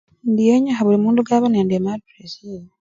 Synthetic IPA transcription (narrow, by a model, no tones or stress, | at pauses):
ndijeɲaxaβulimuːnduɡaːβaneːndiemaɾtɾesi